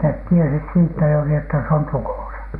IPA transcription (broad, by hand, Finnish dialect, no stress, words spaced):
net tiesit siːtːæ juːri etːæ se on tukoˑsɑ